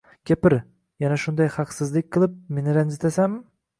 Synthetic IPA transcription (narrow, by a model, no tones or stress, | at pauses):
kʲʰepɪɾ | janaʃʊnd̪ajχɑqsɪzlˠɪk̚ʲqʰɨlˠɪp̚me̞nɪɾanzt̪ʰasam